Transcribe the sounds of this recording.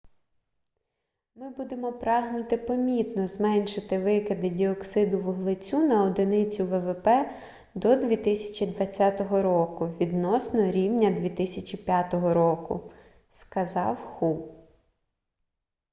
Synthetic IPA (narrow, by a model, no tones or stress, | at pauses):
mɪbud̪emɔpɾɑɦnʊt̪ɪpɔmʲit̪nɔzmɛnʃɪt̪ɪʋɪkɪd̪ɪdʲiɔksɪd̪ʊʋʊɦlˠɪt͡sʲunɐɔd̪ɪnɪt͡sʲʊʋɛʋɛpɛ | d̪ɔd̪ʲʋʲit̪ɪsʲɐ̥t͡ʃʲid̪ʋɐt͡sʲːɑt̪ɔɦɔɾɔkʊʋʲid̪nɔsnɔɾʲiwnʲɐd̪ʲʋʲit̪ɪsʲɐt͡ʃʲipʲjat̪ɔɦɔɾɔkʊ̰ | skɐzɑwxu